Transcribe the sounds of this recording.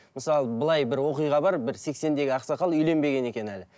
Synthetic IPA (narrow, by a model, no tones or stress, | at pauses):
məsɑlˠəbəlˠɑjbɪɾwo̞qijʁɑbɑɾbɪɾse̞kse̞nd̪e̞ɡʲɪɑqsɑqɑlˠʏjle̞mbe̞ɡʲe̞ne̞kʲe̞nælɪ